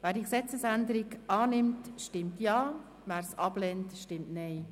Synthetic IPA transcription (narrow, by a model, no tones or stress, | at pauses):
ʋæːɾdiːksɛt͡səsænd̪əɾiɡɑːnɪmtʃtɪmtjɑː | ʋæːɾsɑb̥lɛntʃtɪmtnɛɪ